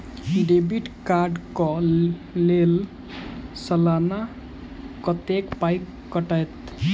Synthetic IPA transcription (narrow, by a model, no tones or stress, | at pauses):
ɖebiʈkaɾɖkɔ | lel | səlana | kʌt̪ekpajkːəʈəjt̪